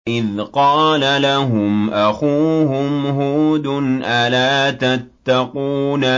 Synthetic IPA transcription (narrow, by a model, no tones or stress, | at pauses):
ʔɪðqɑːlalaɦʊmʔaxuːhʊmɦuːd̪ʊnʔalaːt̪at̪ːɑquːna